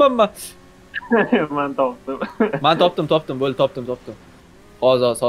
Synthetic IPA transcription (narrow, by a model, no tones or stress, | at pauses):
amːa | mant̪ʰɒp̚t̪ɪmmant̪ʰɒp̚t̪ɪmt̪ʰɒp̚d̪ɪmbolt̪ʰɒp̚t̪ɪmt̪ʰɒp̚t̪ɪm | ɒzɒsɒ